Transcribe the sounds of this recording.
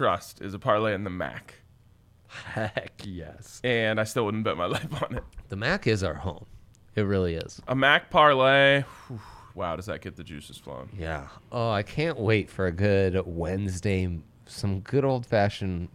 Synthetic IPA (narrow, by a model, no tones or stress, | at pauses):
tʰɹ̥ʌ̰stɨ̰zəpʰɑɹleɪɨ̃nðəmæ̰k | hækjɛ̰sɨ̃naɪstɪlˠwʊdⁿn̩pb̥ʊt̚maɪlaɪfn̩ɪt̚ðɨmækɪzaʊə̰˞hõʊ̃m | ɨt̚ɹɪlˠiɪ̰z̥ʔəmæk̚pʰɑɹleɪuwaʊɾʌzðɨ̰t̚ɡ̥ɪt̪̚ðɨd͡ʒʉ̰sɨz̥flo̰ʊ̃njæ̰ʔoʊaɪkʰæ̃nʔweɪtfə˞ɨɡʊɾwɛ̃nzdeɪ | sʌ̃mɡʊɾoʊlˠd̥fæʃɨ̃n